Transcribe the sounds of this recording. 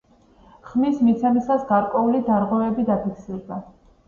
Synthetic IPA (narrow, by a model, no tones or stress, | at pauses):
χmismit̪sʰɛmisasɡaɾkʼwɛulid̪aɾʁwɛvɛbid̪apʰikʰsiɾd̪a